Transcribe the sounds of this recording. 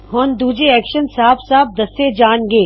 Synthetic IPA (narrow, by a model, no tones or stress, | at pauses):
ɦoːnd̪uːd͡ʒeɛːkʃənsaːbsaːb̚d̪ɐsed͡ʒaːnɡeː